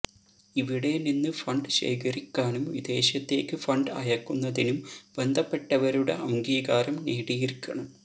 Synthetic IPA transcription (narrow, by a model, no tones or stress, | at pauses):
iʋiɽe̞ninːɨfɐɳɖɨɕḛːkɐɾikʲːaːnumʋid̪e̞ːɕjɐt̪ːe̞ːkːɨfɐɳɖɐ̰jɐkːunːɐðinumbe̞nd̪ʱɐpːe̞ʈːɐʋɐɾuɽe̞̰ɐmɡiːɡaːɾɐmneːɽijirkʲːɐɳɐm